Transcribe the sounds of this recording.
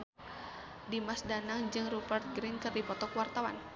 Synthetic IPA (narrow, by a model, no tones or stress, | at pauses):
dimasdanaŋd͡ʒɨŋrubərt̪̚ɡɾinkɨrdipɔt̪ɔkwart̪awa̰n